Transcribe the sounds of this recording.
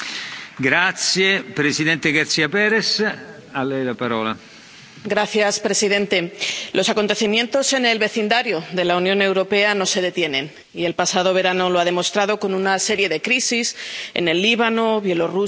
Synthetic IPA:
ɡɾat̪sjepɾesidðɛnt̪eɡaɾt̪siapɛɾes | alːɛjlapaɾɔːla | ɡɾaθjaspɾe̞sið̞ẽ̞nt̪e̞lʔo̞sako̞nt̪e̞θimjẽ̞nt̪o̞se̞ne̞lβe̞θind̪aɾjoðe̞launjone̞wɾo̞pe̞ano̞se̞ðe̞t̪je̞nẽ̞n | ie̞lpasað̞o̞β̞e̞ɾano̞loaðe̞mo̞st̪ɾaðo̞ko̞nunase̞ɾje̞ðe̞kɾisisḛne̞lːiβ̞ano̞βje̞lo̞ru

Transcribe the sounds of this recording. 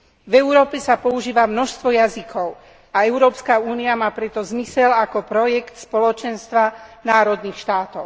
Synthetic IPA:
vɛʊɾɔːpɛsapɔuʒiːʋamnɔʃst̪ʋɔjazikʰɔʊ | aɛʊɾɔːpskauːniamaːpɾɛt̪ɔzmisɛlakɔpɾɔjɛkt̪spɔlɔt͡ʃɛnst̪ʋanaːɾɔd̪niːxʃt̪aːt̪ɔʊ

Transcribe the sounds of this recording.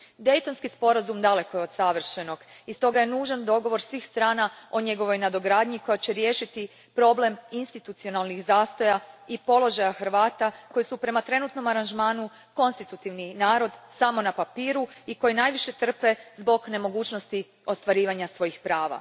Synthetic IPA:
d̪e̞jt̪o̞nskispo̞ɾazumd̪ale̞koeod̪saʋr̩ʃeno̞ɡist̪o̞ɡaje̞nuːʒand̪o̞ɡo̞ʋo̞ɾsʋiːxst̪ɾaːnao̞ɲe̞ɡo̞ʋo̞jnad̪o̞ɡɾaːd̪ɲiko̞jat͡ɕeɾje̞ːʃit̪i | pɾo̞ble̞minst̪it̪ut̪sio̞nalˠnixzaːst̪o̞jaipo̞lo̞ʒajaxr̩ʋaːt̪ako̞jisupɾe̞mat̪ɾe̞nut̪no̞maɾanʒmaːnu | ko̞nst̪it̪ut̪iʋninaːɾo̞d̪samo̞napapiːɾuiko̞jinajʋiʃe̞t̪r̩pe̞zbo̞ɡne̞mo̞ɡuːt͡ɕno̞st̪i | o̞st̪ʋaɾiːʋaɲasʋo̞jixpɾaːʋa̰

